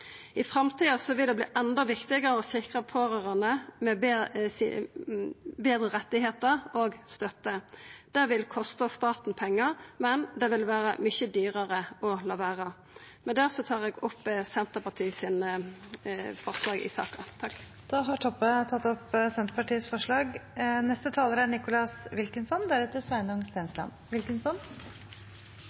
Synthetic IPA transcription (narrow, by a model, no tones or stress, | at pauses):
ɪfʁɑmt̪ʰiːɑsɔʋɪld̪ɛblḭːʔɛnd̪ɔʋɪkt̪ɪɡəʁəɔsɪkʁəpʰoːʁøːʁɑnəmɛb | beːd̪ʁəʁɛt̪ːɪheːt̪əʁoːɡst̪œt̪ːəd̪̥æːʁʋɪlkʰɔst̪ɑst̪ɑːt̪n̩pʰɛŋːəʁmɛnd̪ɛʋɪlʋæːʁə̰mʏçəd̪yːʁəʁəɔlɑːʋæːʁə | mɛnd̪æːʁsɔt̪ʰɑːʁɛːɡɔpːəsɛnt̪əpɑʈʰiːsɪn | fɔʁslɑːɡɪ̰sɑ̰ːkɑt̪ʰɑk | d̪̥ɑːɦɑʈʰɔpːət̪ʰɑt̪ːɔpsɛnt̪pɑʈiːəsfɔʂɭɑːɡnɛst̪ət̪ʰɑːləɾæɳɪkʊlɑsʋɪlkənsɔnd̪æɾʉt̪əsʋæɪnəʊŋst̪æːnslɑ̰nʋɪlkənsɔn